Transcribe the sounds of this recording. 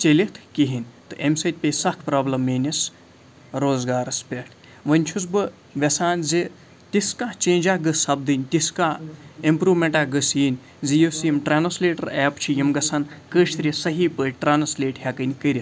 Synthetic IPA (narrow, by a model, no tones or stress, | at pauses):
t͡ʃelʲit̪ʰkiɦinʲt̪ɨʔemsɐt̪̚ʲpʲesɐhkʰpɾaːblɐmːeːnʲɐs | ɾoːzɡaːɾɐspʲeʈʰ | ʋɐnʲt͡ʃʰus̬bɨ | ʋʲɐsaːnzi | t̪iskat͡ʃẽːnʲd͡ʒaːɡɨsɐb̚d̪ɨnʲt̪iskaːimpɾuːʋmʲeɳʈaːɡɨsiːnʲ | zijosiemʈɾaːnɐsleːʈɐ̰ɾɛːpt͡ʃʰijimɡɐsʰɐnkəːʃt̪ɾʲisɐɦiːpəʈɾaːnsleːʈhʲɐkɨnʲkəɾʲit̪